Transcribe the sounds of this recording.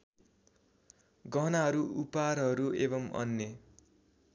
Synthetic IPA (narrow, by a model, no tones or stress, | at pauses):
ɡʌnaɦʌɾuʔuparɦʌɾuebʌmʌ̰nːe